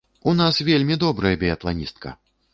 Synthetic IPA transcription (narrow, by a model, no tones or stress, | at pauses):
unasvʲelʲmʲid̪ɔbɾɐjɐbʲɛjɐt̪lˠanʲist̪̚kʰɐ̰